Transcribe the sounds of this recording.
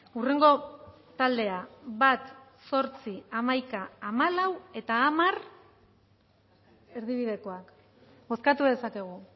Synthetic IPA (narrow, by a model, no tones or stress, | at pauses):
ure̞ŋɡo̞ | t̪ald̪e̞aβat̪so̞ɾt͡siamajkaːmalawe̞t̪aːmar | e̞ɾðiβ̞iðe̞ko̞ak | bo̞skat̪uðe̞sake̞ɣ̞u